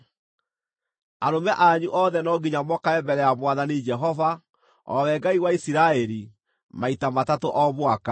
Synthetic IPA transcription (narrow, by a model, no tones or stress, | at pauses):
aɾomɛʔaɲuʔɔðɛnɔɡiɲamɔkaɛmbɛɾɛamwaðanid͡ʒɛɦɔva | ɔ̰wɛɡaiwaisiɾaɛɾi | maitamatatoʔɔβwaka